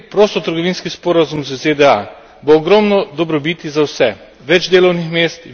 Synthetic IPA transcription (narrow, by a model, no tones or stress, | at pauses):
pɾoːst̪ɔt̪əɾɡɔʋiːnskispoːɾazumzəzed̪ɛa | boːɡɾɔːmnɔd̪ɔbɾɔbiːt̪izawsɛ | ʋɛd͡ʒd̪eːlɔwnixmeːst̪